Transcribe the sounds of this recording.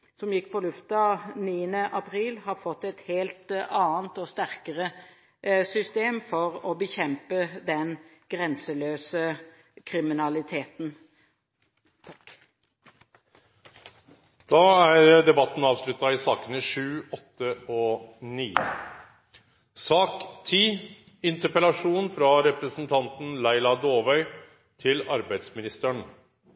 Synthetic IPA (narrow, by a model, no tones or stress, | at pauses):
sɔmjɪkːpʰɔlʉft̪əɑniːənəʔɑpʰʁiːlhɑfɔt̪ːɛt̪heːlt̪ɑːənt̪ɔst̪æʁkəʁə | sʏst̪eːmfɔʁɔbəçɛmpəd̪ɛnɡ̥ʁɛnsəløːsə | kʰʁɪmɪnɑlɪt̪ʰeːt̪n̩ | d̪̥ɑːæɾd̪ɛbɑt̪ːn̩ɑːʋslʉt̪ːɑɪsɑːkənəʂʉːɔt̪ːəɔniː | sɑːkt̪ʰiː | ɪnt̪əpəlɑʂuːnfɾɑɾɛpɾəsn̩t̪ʰɑnt̪n̩læɪlɑd̪oːʋœʏ | t̪ʰɪlɑɾbæɪd̪smɪnɪst̪əɳ